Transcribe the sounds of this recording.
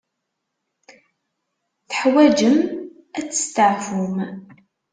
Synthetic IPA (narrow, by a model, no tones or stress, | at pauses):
θəħwæd͡ʒəm | æt͡sːə̥st̪əʕfum